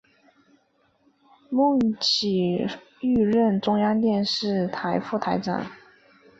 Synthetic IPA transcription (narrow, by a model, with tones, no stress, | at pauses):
mʊ˥˩ŋt͡ɕʰi˨˩ | y˥˧ɻə˥˩nʈ͡ʂʊ˥ŋjɑ˥ŋt̪jɛ˥˧nʂɻ̩˥˩t̪ʰa˧˥ɪfu˥˩t̪ʰa˧˥ɪʈ͡ʂa̰˨˩˦n